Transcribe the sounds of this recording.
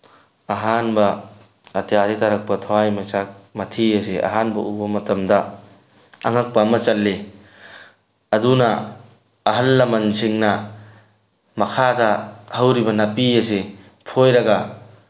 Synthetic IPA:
ɐɦanbɐ | ɐtʰjaditɐɾɐk̚pɐtʰawajmɐt͡ʃak̚mɐtʰijɐs̬iʔɐ̰ɦanbɐʔubɐmɐtɐmdɐː | ŋɐk̚pɐmɐt͡ʃɐlːe | ɐdunɐː | ɦɐlːɐmɐnsʰiŋnɐ | mɐkʰadɐhɐwɾibɐnɐpiɐse | pʰojɾɐɡɐ

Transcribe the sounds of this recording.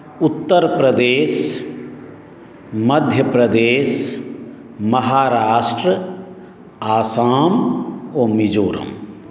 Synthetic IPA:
ʊt̪ːəɾpɾəd̪eːs | mɐd̪ʱjəpɾɐd̪eːs | mɐɦaːɾaːʃʈɾə | aːsaːmoːmid͡ʒoːɾə̰m

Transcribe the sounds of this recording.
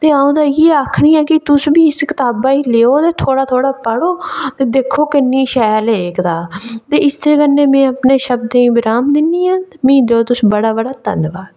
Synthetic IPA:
t̪eːãːõːd̪aːjeːaːkʰɽiːãːkɪt̪ʊsbiːɪskɪt̪aːbaːiːleːoːt̪eːt̪ʰoːɽaːt̪ʰoːɽaːpəɽoːt̪eːd̪eːkʰːoːkɪnːĩːʃɛːleːkd̪aːt̪eːɪst̪eːkənːẽːmɛ̃ːəpneːʃəb̚d̪eĩːbɪɾaːmd̪ɪniːãːmĩːd̪oːt̪ʊsbəɽaːbəɽaːt̪ə̰nʋaːd̪

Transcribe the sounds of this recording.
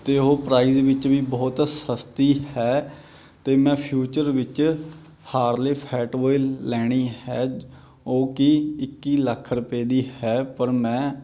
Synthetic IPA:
t̪eːɦoːpɾaːiːzʋɪt͡ʃʋiːbɔːt̪səst̪iːhɛː | t̪eːmɛ̃ːpʰjuːt͡ʃəɾʋɪt͡ʃ | haːɾleːpʰɛːʈʋɔːɪllɛːɽ̃iːhɛː | oːkɪɪkːiːləkʰɾʊpeːd̪iːhɛːpəɾmɛ̃ː

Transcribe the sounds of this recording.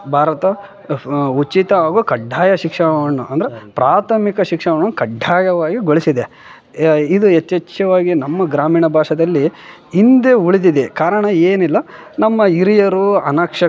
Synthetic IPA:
bʱaːɾɐt̪ɐ | ut͡ʃːit̪ɐaːɡuːkɐɖʱːaːjɐʃikʂɐʋɐɳːuʔɐnd̪ɐɾepɾaːt̪ʰɐmikɐʃikʂɐʋɐɳːukɐɖʱːaːjɐʋaːɡiɡoɭisid̪e | id̪uet͡ʃ̪ːɐt͡ʃːɐʋaːɡinɐmːɐɡɾaːmiːɳɐbʱaːʂɐd̪ɐlːiː | nd̪e̞uɭid̪id̪ekaːɾɐɳɐeːnilːɐ | nɐmːɐiɾijɐɾuɐnɐkʂɐ

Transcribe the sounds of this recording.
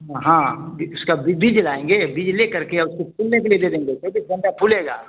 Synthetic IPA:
ɦãːbiʊskabibiːd͡ʒlaːẽːŋɡebiːd͡ʒlekɐɾkeɔːɾʊskopʰuːlnekelied̪eːd̪ẽːŋɡet͡ʃoːbiːsɡʱɐ̃ɳʈapʰuːleːɡa̰ː

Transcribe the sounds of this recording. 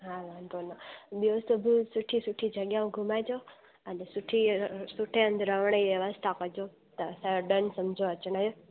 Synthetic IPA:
ɦaʋant̪onɔbiosubʱusuʈʰisuʈʰid͡ʒəɡjaũɡʱumajd͡ʒo | ənesuʈʰisuʈʰeə̃nd̪ɾəʋɳ̃aiʋjəʋəst̪ʰakod͡ʒo | t̪ɔsəɖənsəmd͡ʒʱoət͡ʃnajo

